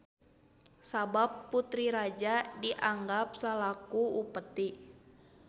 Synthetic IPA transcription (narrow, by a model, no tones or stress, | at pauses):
sabapːut̪ɾiɾad͡ʒadiʔaŋɡap̚salakuupət̪iʔ